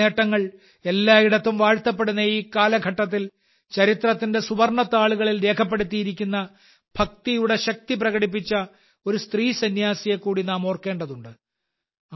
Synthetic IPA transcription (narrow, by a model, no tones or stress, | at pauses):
eːʈːɐŋːɐɭ | e̞lːaːiɽɐt̪ːumʋaːɻt̪ɐp̬ːe̞ɽunːɐiːkːaːlɐɡʱɐʈːɐt̪̬ːil | t͡ɕɐɾit̪rɐt̪ːinde̞subɐrɳɐt̪ːaːɭuɣɐɭilɾe̞ːkʰɐp̬ːe̞ɽut̪ːijiɾikʲːunːɐ | b̥ʱɐk̚t̪ijuɽe̞ɕɐk̚t̪ip̬rɐɣɐɽip̬ːit͡ɕːɐ | o̞ɾust̪riːsɐnjaːsije̞kːuːɽinaːmo̞ːrke̞ːɳɖɐðuɳɖɨ